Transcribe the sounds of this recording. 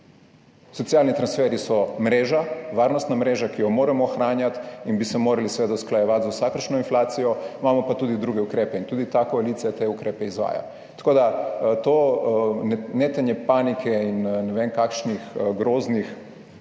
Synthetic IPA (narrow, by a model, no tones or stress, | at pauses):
sɔt̪sialnit̪ɾansfɛɾisɔmɾeːʒaʋaːɾnɔst̪namɾeːʒakijɔmoːɾɛmɔːxɾaːnjat̪inbisɛmoːɾalisʋeːd̪asklajɛʋat̪zausakəɾʃnɔinflaːt̪sijɔimamɔpat̪ud̪id̪ɾuɡɛukɾeːpɛint̪uːd̪it̪akoaliːt̪ijat̪eukɾeːpɛizʋa̰ːja̰ | t̪ḁkoːd̪at̪onneːt̪anjɛpanikʰɛinnɛʋeːnkakʃnixɡɾoːznix